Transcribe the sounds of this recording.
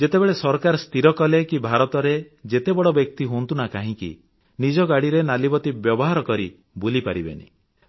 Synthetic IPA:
d͡ʒet̪ebeɭesɔɾkaɾɔst̪iɾɔkɔlekibʱaɾɔt̪ɔɾe | d͡ʒet̪ebɔɽɔbjɔk̚t̪iɦont̪unakaɦĩkḭ | nid͡ʒɔɡaɽiɾenalibɔt̪ibjɔbɔɦaɾɔkɔɾi | bulipaɾibḛnḭ

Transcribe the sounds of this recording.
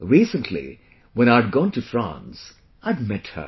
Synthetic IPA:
ɹiːsə̃ntʰlḭ | wɛ̃ñaɪəd̚ɡɔ̃ːntɨfɹã̰ns | aɪd̚mɛthə̰

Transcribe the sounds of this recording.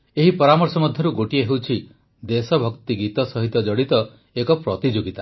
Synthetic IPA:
eɦipɔɾamɔɾsɔmɔd̪ʱjɔɾuɡoʈieɦewt͡ʃʰi | d̪esɔbʱɔkt̪iɡit̪ɔsɔɦit̪ɔd͡ʒɔɽit̪ɔ | ekɔpɾɔt̪id͡ʒoɡit̪a

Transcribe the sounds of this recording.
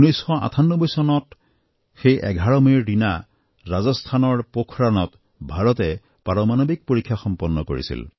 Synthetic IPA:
nɔjsxɔa̰tʰanːɔbɔjsɔnɔt | xejʔɛ̰ɡʱaɹɔmiɹdina | ɹazɔstʰanɔɹpokʰɹanɔt | bʱaɹɔtɛ | paɹɔmanobik̚poɹikʰːjaxɔmpɔnːɔko̰ɹḭsḭl

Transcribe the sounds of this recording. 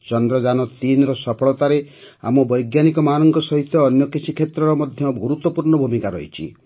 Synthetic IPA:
t͡ʃɔnd̪ɾɔd͡ʒanɔt̪inɾɔsɔpʰɔɭɔt̪aɾe | a̰mɔbɔjɡjanikɔmanɔŋɡɔsɔɦit̪jɔːnjɔkit͡ʃʰikʰet̪ɾɔɾɔmɔd̪ʱjɔɡʱuɾut̪wɔpuɾɳɔbʱumikaɾɔɦḭt͡ʃʰḭ

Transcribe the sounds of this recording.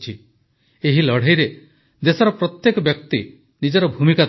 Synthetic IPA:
t͡ʃʰi | eɦilɔɽ̤ejɾe | d̪esɔɾɔpɾɔt̪jekɔbjɔkt̪i | nid͡ʒɔɾɔbʱumika

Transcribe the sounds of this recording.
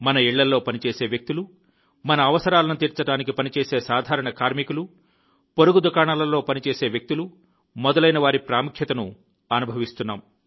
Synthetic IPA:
mɐnɐiɭːɐlːo̞ːpɐnit͡ʃeːseːʋjek̚t̪ilu | mɐnɐːʋɐsɐɾaːlɐnut̪iːɾt͡ʃɐɽaːnikipɐnit͡ʃeːseːsaːd̪ʱaːɾɐɳɐkaːɾmikulu | poɾuɡud̪ukaːɳalɐlːo̞ːpɐnit͡ʃeːse̞ːʋjɐk̚t̪ulu | mɔd̪ɐlɐjnɐʋaːɾipɾaːmukʰjɐt̪ɐnu | ɐnubʱɐʋist̪unːaːm

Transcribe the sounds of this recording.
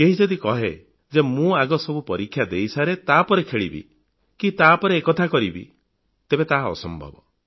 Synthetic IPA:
keɦid͡ʒɔd̪ikɔɦe | d͡ʒemũaɡɔsɔbupɔɾikʰːjad̪eisaɾet̪apɔɾekʰeɭibḭ | kit̪apɔɾeːkɔt̪ʰakɔɾibḭ | t̪ebet̪aɦɔ̰sɔmbʱɔ̰bɔ

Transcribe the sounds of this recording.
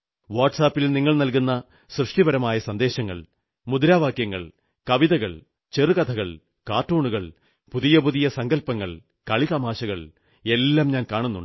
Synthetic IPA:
ʋaːʈsaːpːilniŋːɐɭnɐlkunːɐ | srɨʂʈibɐɾɐmaːjɐsɐnd̪e̞ːɕɐŋːɐ̰ɭ | mud̪ɾaːʋaːkjɐŋːɐ̰ɭ | kɐʋiðɐɣɐɭ | t͡ɕerɨkɐt̪ʰɐɣɐɭ | kaːʈːoːɳuɣɐɭ | puðijɐpuðijɐsɐŋɡɐlpɐŋːɐ̰ɭ | kɐɭit̪ɐmaːɕɐɣɐɭ | e̞lːaːmɲaːnkaːɳunːuɳɖɨ

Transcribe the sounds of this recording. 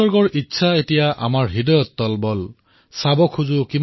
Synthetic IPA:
ɔɹɡɔɹʔitːsʰaetijaʔa̰maɹɦidɔjɔtːɔlbɔl | sabɔkʰuzukim

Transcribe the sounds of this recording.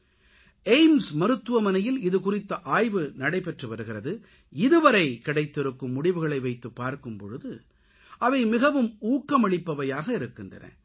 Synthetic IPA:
eɪmsmɐɾɯt̪ːɯʋɐmɐnɐjɪlɪðɯkʊrɪt̪ːɐʔaːjʋɯnɐɽɐɪpɛʈrɯʋɐɾɯɣɪrɐðɯ | ɪðɯʋɐɾɐɪkɪɽɐɪt̪ːɪɾɯkːɯmːʊɽɪʋɯɣɐɭɐɪʋɐɪt̪ːɯpːaːɾkɯmpɔ̰ɻɯðɯ | ʔɐʋɐɪmɪɣɐʋɯmuːkːɐmɐɭɪpːɐʋɐjaːɣɐɪɾɯkːɪndrɐ̰nɐ̰

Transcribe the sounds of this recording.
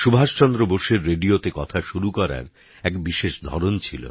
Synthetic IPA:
ʃubʱaʃt͡ɕɔnd̪ɾoboɾʃeɾːeɖiot̪ekɔt̪ʰaʃuɾukɔɾa̰ɾ | ɛkbiʃeʃd̪ʱɔ̰ɾont͡ɕʰilo̰

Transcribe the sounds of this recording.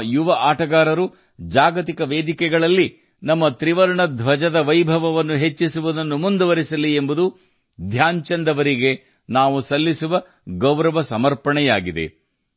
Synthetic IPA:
juʋɐʔaːʈɐɡaːɾɐɾu | d͡ʒaːɡɐt̪ikɐʋeːd̪ikɛɡɐɭɐlːi | nɐmːɐt̪ɾiʋɐɾɐɳɐd̪ʱʋɐd͡ʒɐd̪ɐʋɐjbʱɐʋɐʋɐnːuɦe̞t͡ʃːisuʋud̪ɐnːumund̪uʋɐɾisɐlːiembud̪u | d̪ʱjaːɲt͡ʃɐnd̪ɐʋɐɾiɡe̞ | naːʋusɐlːisuʋɐ | ɡɐwɾɐʋɐsɐmɐɾpɐɳɛjaːɡid̪e̞̰

